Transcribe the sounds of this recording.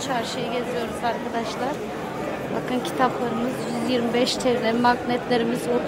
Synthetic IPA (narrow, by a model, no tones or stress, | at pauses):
t͡ʃʰaɾʃɯjɯɟe̞zijo̞ɾuzaɾkʰad̪aʃlˠaɾ̥ | ba̰kʰɯncʰi̥t̪ʰaplˠaɾɯmɯzjyzjiɾmibɛʃt̪ʰeɾlʲeɾimaknɛt̪lʲe̞ɾimizot̪